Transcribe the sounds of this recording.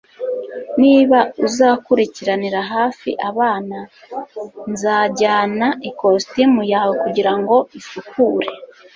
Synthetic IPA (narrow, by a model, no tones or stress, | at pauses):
niːβauzaːkuɾiciɾaniɾaɦaːfḭʔaβaːna | nzaːɟaːnaʔikostimujaːwekuɟiɾaŋɡo̞isukuːɾe̞